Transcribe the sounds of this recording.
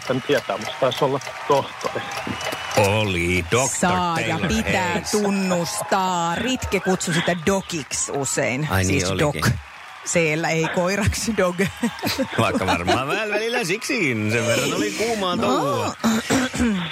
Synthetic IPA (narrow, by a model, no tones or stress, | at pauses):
t̪ænt̪iɛt̪æ̰ːmut̪st̪ɑisolːɑ | t̪oht̪o̰ri | olidoksɑɑːjɑpit̪æːt̪unːust̪ɑːrit̪kekut̪susit̪ædokiksusḛinɑ̰isniːsoldok | seːlːæeikoirɑksdoɡ | ʋɑikːɑʋɑrmɑɑɑʋʋæːlʋælilːæsiksikinseʋʋerːɑnolikuːmɑːno